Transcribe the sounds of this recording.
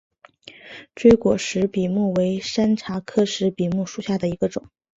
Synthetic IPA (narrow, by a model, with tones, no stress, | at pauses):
ʈ͡ʂwe˥ɪkwɔ˨˩ʂɻ̩˧˥pi˨˩mu˥˩we˧˥ɪʂa˥nʈ͡ʂʰa˧˥kʰɤ˥ʂɻ̩˧˥pi˨˩mu˥˩ʂu˨˩ɕja˥˩d̪ə˩i˧˥ɡə˧ʈ͡ʂʊ˨˩˦ŋ